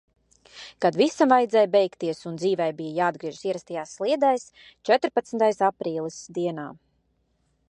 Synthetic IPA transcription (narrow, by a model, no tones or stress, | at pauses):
kad̪visamvajd̪zɛːjbɛjkt̪iɛsund̪ziːvɛjbijajaːd̪̚ɡɾiɛʒusiɛɾast̪ajaːsːlˠiɛd̪ajs | t͡ʃɛt̪ɾpat̪snt̪ajsapɾiːlˠisd̪iɛnaː